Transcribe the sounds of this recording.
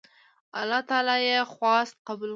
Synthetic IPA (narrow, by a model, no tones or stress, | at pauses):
a̰lːɑt̪ɑlɑjexwɑst̪̚qabəl